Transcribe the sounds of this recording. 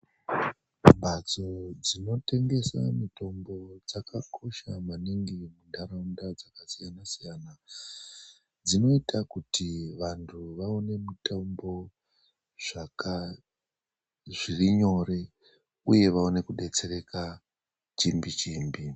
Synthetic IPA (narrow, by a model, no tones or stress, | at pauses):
ɓat͡so̞d͡zino̞te̞ŋɡe̞sa̰mito̞mbo̞d͡zakʰakʰo̞ʃamaniŋɡimundaɾaundad͡zakasijanasijana | d͡zino̞itʰakutiʋantʰuʋaone̞mitambo̞ | ʐ̥aka | ʐiriɲo̞ɾe̞ | uje̞ʋaone̞kuɗe̞t͡se̞re̞ka | t͡ʃimbit͡ʃiːmbi